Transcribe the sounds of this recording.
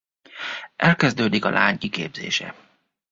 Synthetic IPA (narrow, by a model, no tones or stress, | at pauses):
ʔɛlkɛzd̪øːd̪ikɒlʔaːɲikḛːbzḛːʃɛ̰